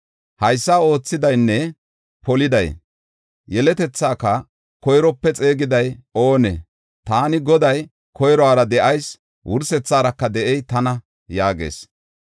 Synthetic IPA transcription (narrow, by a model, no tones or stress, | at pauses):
hɐjsːaːo̞ːt͡sːɪd̪ɐjnːɛ | pɔlɪd̪ɐj | jɛlɛt̪ɛt͡sːaːkɐ | kɔjɾɔpːɛt͡sʼe̞ːɡɪd̪ɐjo̞ːnḛ | t̪aːnɪɡɔd̪ɐj | kɔjɾɔaːɾɐd̪ɛʔɐjs | wʔʊɾsɛt͡sːaːɾɐkːɐd̪ɛʔɛjt̪ɐnɐ | jaːɡḛːs